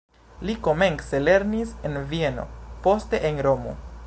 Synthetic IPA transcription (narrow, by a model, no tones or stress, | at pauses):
liko̞me̞nse̞le̞ɾnisenvieno̞̰po̞ste̞ʔenɾo̞mo̰